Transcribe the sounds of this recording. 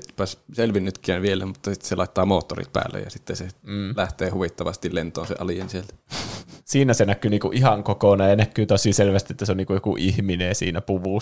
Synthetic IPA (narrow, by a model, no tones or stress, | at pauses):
pæsselʋinnyt̪kˑæːnʋielemut̪ːɑsit̪ːselɑˑit̪ːɑːmoːt̪ːo̰rḭt̪̚pæ̰ːlːḛjɑ̰sit̪ːesem̩ːlæht̪eːhuʋit̪ːɑʋɑst̪illent̪ˑo̰ːnsḛʔɑlijensielt̪æ̥siːnæsenækːˑyːniːkuʔʔihɑŋkokoˑnɑjɑnækːˑyːt̪osˑiːselʋæst̪iet̪ːæseoniːŋkujokuʔihmineːsḭːnæpuʋuˑ